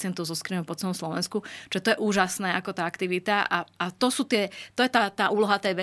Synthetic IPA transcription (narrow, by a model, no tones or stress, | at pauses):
t͡sɪɛnt̪ɔʊzɔskɾinɔpɔt͡sɛlɔmslɔʋɛnskut͡ʃʒɛt̪ɔjɛʔuːʒasnɛːakɔt̪aːakt̪iʋit̪aʔaat̪ɔsuːt̪ɪɛt̪ɔjɛt̪aːt̪aːʔuːlɔɦat̪ɛjʋɛ